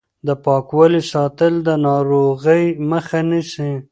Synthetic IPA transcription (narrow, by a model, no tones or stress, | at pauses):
d̪əpɑkwɑlisɑt̪əld̪ənɑɾoɣəjməxanəʃi